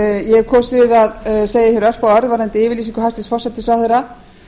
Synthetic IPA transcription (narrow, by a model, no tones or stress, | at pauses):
jɛɾkʰɔːsɪðaðseːjɪfɪɾœr̥fawœɾðvaːɾɛnt̪ɪɪːvɪɾlis̬iŋkʏast̪ɪsfɔrsɛt̪ɪsfɾawθɛjɾa